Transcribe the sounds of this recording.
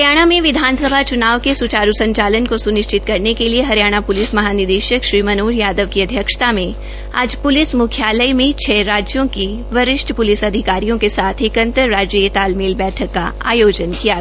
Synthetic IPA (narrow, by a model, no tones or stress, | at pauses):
ɾjaːɽ̃amẽʋɪd̪ʱaːnsəbʱat͡ʃʊnaːʋkesʊt͡ʃaːɾusɐ̃ɲt͡ʃaːlənkosʊnɪʃt͡ʃɪt̪kɐɾnekelieɦɐɾjaːɽ̃apʊlɪsmɐɦaːnɪd̪eːʃəkʃɾiːmɐnoːɾjaːd̪əʋkiɐd̪ʱjəkʃt̪amẽ | a̰ːd͡ʒpʊlɪsmʊkʰjaːləjmẽt͡ʃʰɛːɾaːd͡ʒjõki | ʋɐɾɪʃʈʰpʊlɪsɐd̪ʱɪkaːɾijõkesaːt̪ʰekə̃nt̪əɾːaːd͡ʒjəjet̪aːlmeːlbɛːʈʰəkːa̰a̰ːjoːd͡ʒənkija